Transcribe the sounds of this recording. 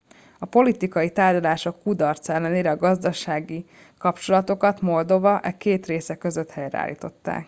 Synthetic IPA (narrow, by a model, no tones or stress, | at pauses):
ɒpo̞lit̪ikɒjit̪aːrɟɒlaːʃo̞kːud̪ɒrt̪sɛlːɛneːɾɛɒɡɒzd̪ɒʃaːɡi | kɒpt͡ʃo̞lɒt̪o̞kɒt̪mo̞ld̪o̞vɒʔɛkeːt̪reːsɛkø̞zøt̪hɛjrɛ̰a̰ːlːḭːt̪o̞t̪ːa̰ːk